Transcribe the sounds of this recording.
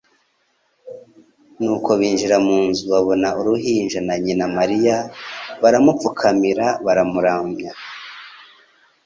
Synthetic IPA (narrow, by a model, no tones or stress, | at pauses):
nuːko̞βiːnʒiɾamuːnzuβaβo̞nauɾuɦiːnʒanaɲinamaɾijaβaɾamup͡fukʰamiɾaβaɾamuɾaːmɲa